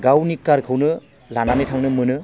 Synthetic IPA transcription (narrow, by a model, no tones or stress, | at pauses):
ɡawnikaɾkʰɯwnɯ | lananɯtʰaŋnɯmɯnɯ